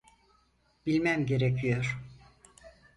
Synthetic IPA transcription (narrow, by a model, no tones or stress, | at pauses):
b̥ilʲmæmɟe̞ɾecʰijoɾ̥